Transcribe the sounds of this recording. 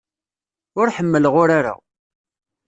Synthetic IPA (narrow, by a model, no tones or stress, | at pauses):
ʊɾħəmːələʁʊɾaɾa̰